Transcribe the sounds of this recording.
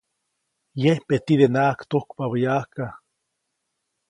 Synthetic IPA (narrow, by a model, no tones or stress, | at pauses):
jehpet̪id̪enaːkt̪okpaβəjaːka